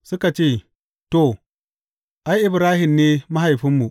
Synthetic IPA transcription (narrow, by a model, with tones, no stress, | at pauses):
sʊ˦ka˨t͡ʃeː˦˨ | to˨ | ʔa˦jʔɪ˨bɾaː˦hɪ˨mneː˦ma˦ɦa˨jɸɪ˦mːu˨